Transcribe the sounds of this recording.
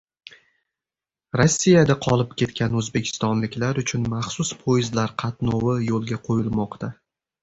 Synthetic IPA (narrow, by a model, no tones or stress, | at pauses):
ɾosʲːijad̪aqʰɒlˠɪp̚kʲʰe̞t̪kʲʰanɵzbe̞kʲʰɪ̥st̪ɒnlɪkʲlaɾʊt͡ʃʰʊnmaχsʊspʰojɪzlaɾqʰɑt̪nɒwɪjolˠɡʲaqʰojɪlˠmɒqt̪ʰa